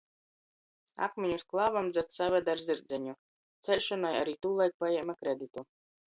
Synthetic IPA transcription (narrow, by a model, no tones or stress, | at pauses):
a̰kmʲiɲusklˠaːvamd̪zɛt̪savʲɛd̪aɾzʲiɾd̪zʲɛɲu | t̪sʲɛlʲʃɔnaja̰ɾiːt̪uːlˠajk̚pajɛmakɾɛd̪it̪u